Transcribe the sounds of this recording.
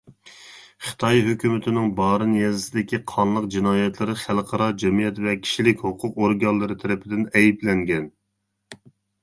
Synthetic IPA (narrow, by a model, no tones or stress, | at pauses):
χɨ̥t̪ʰɑjɦøkʲymɪt̪ʰɪnɪŋbɑːɾɨnjɛzɪsɪd̪ɪkʲʰiqʰɑnlˠəqd͡ʒinɑːjɛt̪ʰlɨɾɪχælˠqʰɑɾɑd͡ʒɛmijɛt̪vɛkʲʰi̥ʃilɪkʲhoqʰʊqoɾɡɑnlːˠɨɾɨt̪ʰɛɾɪpʰɪd̪ɪnɛjiblɛŋɡʲɛn